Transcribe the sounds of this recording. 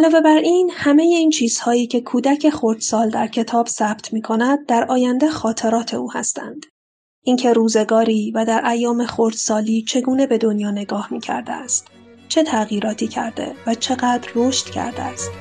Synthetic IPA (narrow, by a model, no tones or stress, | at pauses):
ʔælɒːve̞bæɾʔiːnhæme̞je̞iːnt͡ʃʰiːz̥hɒːiːcʰe̞kʰuːd̪æcʰe̞xoɾd̪̥sɒːld̪æɾcʰe̞t̪ʰɒːb̥sæːb̥t̪ʰmiːkʰo̞næd̪̚d̪æɾɒːjænd̪exɒːt̪ʰe̞ɾɒːt̪ʰe̞uːhæ̰st̪æ̰nd̪̥ | ʔiŋcʰe̞ɾuːze̞ɡɒːɾiːvæd̪æɾʔæjːɒːme̞xoɾd̪̥sɒːliːt͡ʃʰe̞ɡuːne̞be̞d̪o̞njɒːne̞ɡɒːhmiːcʰæ̰ɾd̪ḛæst̪ | t͡ʃʰe̞t̪ʰæɣiːɾɒːt̪ʰiːcʰæ̰ɾd̪e̞̰væt͡ʃʰe̞ɣæːd̪ɾːoʃt̪cʰæ̰ɾd̪eæst̪